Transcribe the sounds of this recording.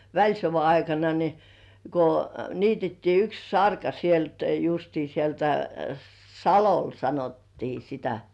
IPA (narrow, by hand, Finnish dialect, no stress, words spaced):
ʋælʲsoʋɑ ɑikɑnɑ ni ko niːtetːiː yks sɑrkɑ sielt justiː sieltæ sɑlol sɑnotːiː sitæ